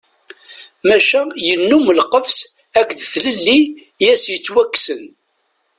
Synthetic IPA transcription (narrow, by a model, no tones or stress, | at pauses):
mæʃæjənːuməlqəvs | ækðθləlːi | jæsjət͡sːwækːsən